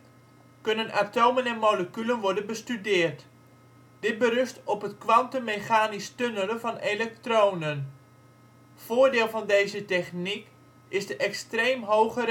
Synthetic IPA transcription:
kɵnənʔatowmənɛnmowləkylənʋɔɹdənbəstydɪːrt | d̥ɪt̚bərʏstɔpɦətkʋɑntənmeχaːnistønələvɑnelɛk̚trownən | v̥oːɹdɪːlˠvɑndejzətɛχnik | ɪzdəʔɛkstrejmɦowχər

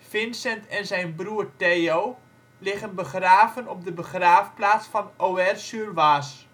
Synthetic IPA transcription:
fɪnsɛntɛnzɛjnbruːərtejow | lɪχənbəχraːvənɔp̚dəbəχraːfplaːt͡sfɑnowɛrsyrʋaːs

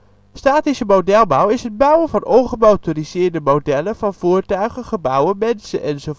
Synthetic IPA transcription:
staːtisəmowdɛlˠbʌwɪsɦəd̚bœwənvɑnɔnχəmowtoriz̥ɪːɹdəmowdɛləv̥ɑnv̥ʊːɹtœɥχəχəbʌwəmɛnsəʔɛnzo

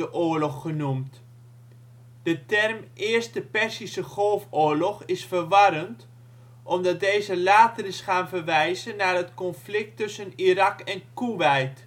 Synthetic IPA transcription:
əʔʊːɹlɔχːənumt | d̥ətɛrmʔɪːərstəpɛrsisəχɔlˠfʊːɹlɔχɪsfərʋɑɾənt | ʔɔmdɑt̚dejzəlaːtərɪsχaːnvərʋɛjzənaːrətkɔnflɪk̚tːɵsənirɑkɛnkuʋɛjt

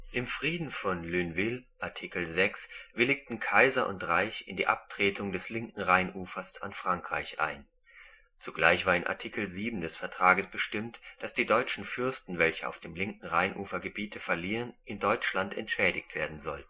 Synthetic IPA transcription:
ʔɪmfʁ̥iːdn̩fɔnlyːnvɪlʔaɐtʰikl̩zɛksvɪlɪk̚tn̩kʰaɪzɐʔʊ̰ntʁaɪçɪ̰ndiːʔa̰p̚tʁ̥eːtʰʊŋdɛslɪŋkŋ̩ʁaɪnʔuːfɐsa̰nfʁ̥aŋkʁ̥a̰ɪçʔa̰ɪn | t͡suɡlaɪçv̥aːɐɪnʔa̰ɐtʰikl̩ziːbm̩dɛsfɛɐtʁ̥aːɡəsb̥əʃtɪmtd̥asd̥iːdɔʏt͡ʃn̩fʏɐstn̩vɛlçəʔa̰ʊfd̥eːmlɪŋkŋ̩ʁaɪnʔuːfɐɡəbiːtʰəfɛɐliːʁənʔɪndɔʏt͡ʃlantɛ̰ntʃɛːdɪçtv̥eːɐdn̩zɔltn̩

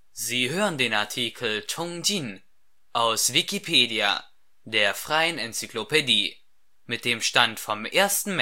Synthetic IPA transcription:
ziːɦøːʁəndeːnaɐtʰiːkʰl̩tʰɔŋdin | ʔaʊsvikipʰeːdia̰ | deːɐfʁ̥aɪənɛnt͡syklopʰediː | mɪt̚d̥eːmʃtantfɔmʔeːɐstn̩m

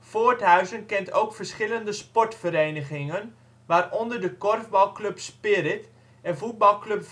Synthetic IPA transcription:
foːrtɦœɥzənkɛntowkfərsχɪləndəspɔtfəɾejnəχɪŋən | ʋaːrɔndərdəkɔrvbɑlˠklɵpspɪɾɪt | ɛnvut̚bɑlˠkløp

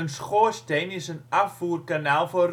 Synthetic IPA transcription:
ənsχoːsteːnɪsənafuːr̚kanaːlˠfɔr

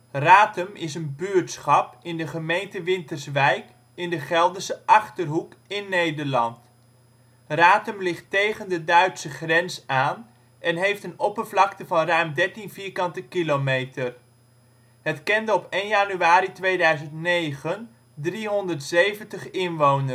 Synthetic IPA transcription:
raːtəmɪsənbyːɹtsχɑpɪndəχəmejntəʋɪntəɹsʋɛjk | ɪndəχɛlˠdəsəʔɑχtərɦukɪnːejdəɹlɑ̰nt | raːtəmlɪχtejχəndədœɥtsəχrɛnsaːn | ʔɛnɦejftənɔpəɹvlɑktəvɑnrœɥmdɛɹtinviːɹkɑntəkilomejtər | ɦətkɛndəɔpejnjaːnyaːɾitʋejdœɥzəntnejχən | driɦɔndəɹtsejvəntəχɪnʋownə

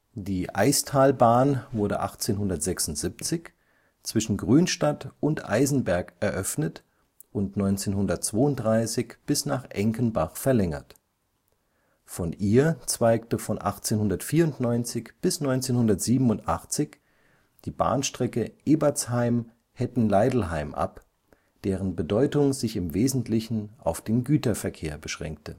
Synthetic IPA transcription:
d̥iːʔa̰ɪstʰaːlbaːnvʊɐdə̰ʔa̰χt͡seːnɦʊndɐtz̥ɛksʊntz̥ipt͡sɪç | t͡sv̥ɪʃn̩ɡʁyːnʃtatʊntʔa̰ɪzn̩bɛɐkʔɛɐʔœfnət | ʔʊntnɔʏnt͡seːnhʊndɐtt͡sv̥oːʊntd̥ʁaɪsɪçb̥ɪsnaːχʔɛŋkənbaχfɛɐlɛŋɐ̰t | fɔnʔiːɐt͡sv̥aɪktəfɔnʔa̰χt͡seːnɦʊndɐtfiːɐʊntnɔʏnt͡sɪçb̥ɪsnɔʏnt͡seːnhʊndɐtz̥iːbm̩ʊntʔaχt͡sɪç | d̥iːba̰ːnʃtʁ̥ɛkəʔeːbat͡shaɪm | hɛtn̩laɪdl̩ɦaɪmʔa̰p | d̥eːʁənbədɔʏtʊŋzɪçɪmveːzn̩tʰlɪçn̩a̰ʊfd̥eːnɡyːtɐfɛɐkʰeːɐbəʃʁ̥ɛ̰ŋk̚tə

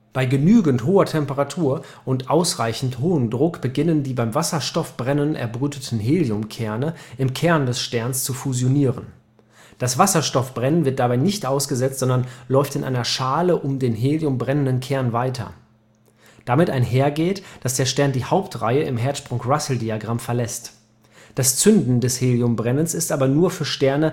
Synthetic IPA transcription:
b̥aɪɡənyːɡn̩tɦoːɐtʰɛmpəʁatʰuːɐ | ʔʊntʔaʊsʁaɪçn̩thoːəndʁʊkb̥əɡɪnəndiːbaɪmvasɐʃtɔfb̥ʁɛnənʔɛ̰ɐbʁyːtətʰn̩ɦeːljʊmkʰɛɐnəʔɪmkʰɛɐndɛsʃtɛɐnst͡sufuzjoniːʁən | d̥asv̥asɐʃtɔfb̥ʁɛnənvɪɐt̚d̥abaɪnɪçtʔaʊsɡ̥əzɛt͡stz̥ɔndɐnlɔʏftɪnʔa̰ɪnɐʃaːləʔʊmdeːnɦeːljʊmbʁɛnəndənkʰɛɐnvaɪtʰɐ̰ | d̥amɪtaɪnɦeːɐɡeːtd̥asd̥eːɐʃtɛɐndiːhaʊptʁa̰ɪəɪmɦɛɐtʃpʁ̥ʊŋʁasl̩diaɡʁamfɛɐlɛst | d̥ast͡sʏndn̩dɛsheːljʊmbʁɛnənsɪstʔaːbɐnuːɐfyːɐʃtɛɐnə

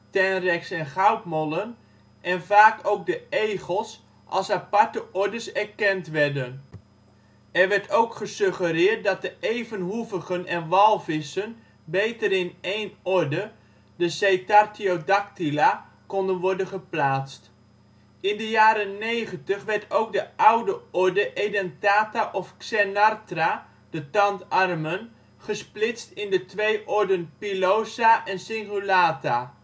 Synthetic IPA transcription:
tɛnrɛksɛnχawtmɔlən | ʔɛnvaːkowk̚dəejχəlˠs | ʔɑ̰lˠsapɑɹtəʔɔɹdəsɛɹkɛntʋɛrdən | ɛrʋɛɹtʰowkχəsøχəɾɪːt̚dɑt̚dəʔejvənɦuvəχənɛnʋɑlˠfɪsən | bejtəɾɪnejnɔɹdə | dəsejtartiodak̚tila | kɔndənʋɔɹdənχəplaːtst | ɪndəjaːɾənːejχəntəχʋɛɹtʰowk̚dəʔawdəɔɹdəʔejdɛntaːtaʔɔfksɛnartra | d̥ətɑntɑrmən | χəsplɪstɪndətʋejʔɔɹdənpilowsaʔɛnsɪŋχulaːta

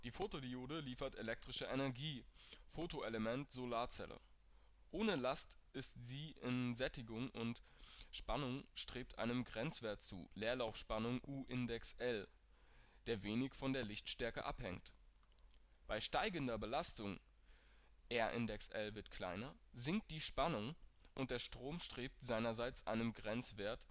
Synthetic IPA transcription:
d̥iːfoːtodioːdəliːfɐtelɛk̚tʁ̥ɪʃəʔenɛɐɡiːfoːtoʔeləmɛntz̥olaːɐt͡sɛ̰lə̰ | ʔoːnəlastʔɪstz̥iːʔɪnzɛtɪɡʊŋʔʊntʃpanʊŋʃtʁ̥eːp̚tʰʔa̰ɪnəmɡʁɛnt͡sv̥eːɐt̚t͡sṵːleːɐlaʊfʃpanʊŋʔuːʔɪndɛksʔɛl | d̥eːɐveːnɪçfɔndeːɐlɪçtʃtɛɐkə̰ʔa̰phɛŋt | b̥aɪʃtaɪɡəndɐbəlastʊŋ | ʔɛɐʔɪ̰ndɛksʔɛlvɪɐtkʰl̥a̰ɪnɐzɪŋk̚t̚d̥iːʃpanʊŋʔʊnt̚d̥eːɐʃtʁ̥oːmʃtʁ̥eːp̚tz̥aɪnɐzaɪt͡sʔa̰ɪnəmɡʁɛnt͡sv̥eːɐt

